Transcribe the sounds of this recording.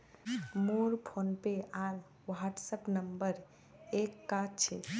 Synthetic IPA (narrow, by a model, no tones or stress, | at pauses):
moɾpʰonpeal | ʋaʈsəpnəmbəɾ | ekːatt͡ʃʰɛ̰